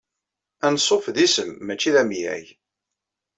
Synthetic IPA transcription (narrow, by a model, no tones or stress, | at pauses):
ænsˤːofðisəmːæt͡ʃːiðæmjæ̰j